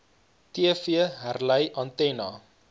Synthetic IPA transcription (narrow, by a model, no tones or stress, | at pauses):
tiəfiəɦærləjʔɐntɛnɑ